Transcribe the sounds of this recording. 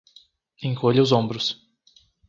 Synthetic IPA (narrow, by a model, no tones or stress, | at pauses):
ẽŋkoʎɪʊzõbɾʊs